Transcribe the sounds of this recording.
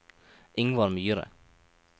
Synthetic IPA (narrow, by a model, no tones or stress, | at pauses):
ʔɪŋəʋɑːɾmyːəɾə̰